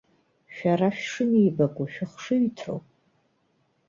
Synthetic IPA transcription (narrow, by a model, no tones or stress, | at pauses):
ʃᶣaraʃᶣʂɨniːbakʷʼuʃᶣɪχʂɨɥitʰro̰wʼ